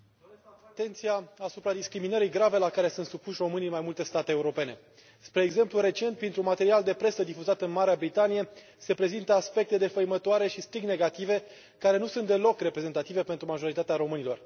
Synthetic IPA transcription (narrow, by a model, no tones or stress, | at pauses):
t̪e̞nt̪sijaasupɾad̪iskɾiminəɾiɡɾave̞lakaɾe̞sunt̪supuʃʲro̞mɨnimajmult̪e̞st̪at̪eːuɾo̞pe̞ne̞ | spɾe̞ːɡze̞mpluɾe̞t͡ʃe̞nt̪̚pɾint̪ɾumat̪e̞ɾiald̪e̞pɾe̞səd̪ifuzat̪ɨnmaɾeabɾit̪anije̞ | se̞pɾe̞zint̪əaspe̞k̚t̪e̞d̪e̞fəjmət̪oaɾe̞ʃist̪ɾiɡne̞ɡat̪ive̞ | kaɾe̞nusunt̪d̪e̞lo̞kre̞pɾe̞ze̞nt̪at̪ive̞pent̪ɾumaʒo̞ɾit̪at̪eaɾo̞mɨnilo̞r